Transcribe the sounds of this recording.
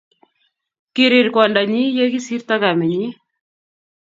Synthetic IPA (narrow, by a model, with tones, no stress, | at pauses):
kɪ˨ɾɪ˨ɾkwɔ˨nda˨ɲi˦je˦ki˦si˦rta˦ka˨me˨ɲi˦